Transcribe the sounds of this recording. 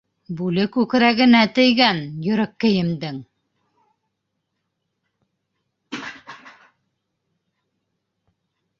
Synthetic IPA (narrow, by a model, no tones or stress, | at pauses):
bʉlɘkʉk̆ɾæɣɘ̆næt̪ɘ̆jɡænjɵ̆ɾɘ̆kːɘ̆jɘ̆md̪ɘŋ